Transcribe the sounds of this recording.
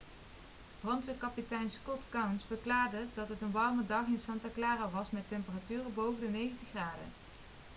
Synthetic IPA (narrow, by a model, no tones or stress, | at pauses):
b̥rɑntʋɪkɑpitɛjnskɔtkawnsfəɹklaːɹdədɑtɦətənʋɑrmədɑχɪnsɑntaklaːraʋɑsmɛtɛmpəratyːrəbowvəndənejɣəntəxraːdə̰